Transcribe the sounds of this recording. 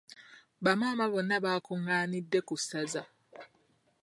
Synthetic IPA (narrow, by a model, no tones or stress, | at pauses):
βamaːmaβonːaβaːkuŋaːnidːe̞kusaza